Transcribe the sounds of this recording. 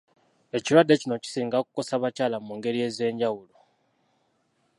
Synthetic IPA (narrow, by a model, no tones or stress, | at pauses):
e̞ciɾwadːe̞cino̞ci̥siːŋɡaku̥ko̞saβacaːlamuːŋɡe̞ɾie̞ze̞ːɲɟawulo